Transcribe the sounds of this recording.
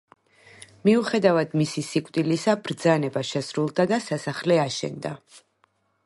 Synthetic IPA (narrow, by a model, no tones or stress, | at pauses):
miuχɛd̪avad̪misisikʼt̪ʼilisabɾd̪zanɛbaʃɛsɾulˠd̪ad̪asasaχlɛaʃɛ̰nd̪a